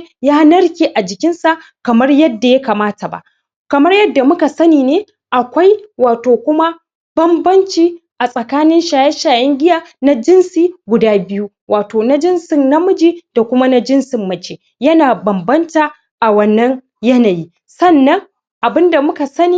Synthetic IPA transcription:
jaː˦nɐ˦ɽkʲiː˦ʔa˨d͡ʒɪ˨kʲɪ˦nsa˨ʔ | kɐ˨mɐ˦rjɐ˦dːa˨jɐ˦kaː˨maː˦ta˨ba̰˨ʔ | kɐ˨mɐ˦rjɐ˦dːa˨mʊ˦ka˨sɐ˦niː˨neː˦ | ʔa˨kʷa˦jwaː˨toː˨kʷʊ˦ma˦ | b̥ɐ˦mbɐ˦nt͡ʃiː˦ʔa˨sʼɐ˨kaː˦nɪ˦nʃaː˨jɛ˦ʃaː˨jɛ˦ŋɡʲɪ˦jaː˦na˦d͡ʒɪ˦nsiː˦ɡʷʊ˨daː˦bɪ˦ju˦ | waː˨toː˨na˦d͡ʒɪ˦nsɪ˨nnɐ˦mʊ˦d͡ʒiː˦d̥a˨kʷʊ˦ma˦na˦d͡ʒɪ˦nsɪ˨mːɐ˨t͡ʃeː˨ | jɐ˦naː˨bɐ˨mbɐ˦ntaː˨ | ʔa˨wɐ˦˨nːɐ˦ŋ | jɐ˦na˨jiː˦ | sɐ˦˨nːɐ˦ŋ | ʔa˨bɪ˦nda˨mʊ˦ka˨sɐ˦niː˨

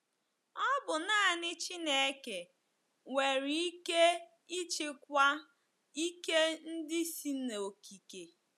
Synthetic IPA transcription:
ɔ˦bʊ˨na˦˨nɪ˦t͡ʃi˦ne˦˨e˦ke˨ | ŋʷe˨ɾi˨i˦ke˦ | i˦t͡ʃɪ˦k̚ʷa˦ | i˦ke˦n̩˦dɪ˦si˦n˨o˨ki˨ke˨

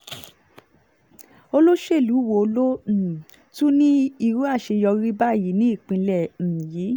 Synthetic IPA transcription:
o˧lo˦ʃe˦˨lu˨˦˨wo˧o˧lõ˦˨ | tu˦nĩ˦i˧ɾu˦a˦˨ʃe˧jɔ˧ɾi˦ba˦˨ji˨˦nĩ˦i˦˨k͡pĩ˧lɛ̃˦˨ji˨˦

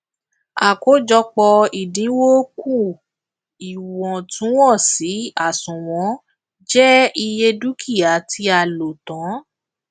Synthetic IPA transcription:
a˨ko˨˦d͡ʒɔ˧k͡pɔ˧i˨dĩ˨˦wo˦ku˦˨ | i˨wɔ̃˨tũ˨˦wɔ̃˦˨si˨˦a˦˨sũ˨w̃ɔ̃˨˦ | d͡ʒɛ˦i˧je˧du˦kʰi˦˨a˨tʰi˧˦a˨lo˨tɔ̃˨˦

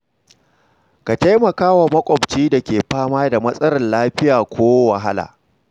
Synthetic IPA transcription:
ka˨ta˦jmɐ˨kaː˦wa˨mɐ˦kʷʼɔ˨bt͡ʃiː˦da˨kʲeː˨ɸaː˦maː˦da˨mɐ˦sʼɐ˦ɽɐ˨nlaː˦ɸɪ˦jaː˨kʷoː˦wɐ˨ɦa˦la̰ː˨

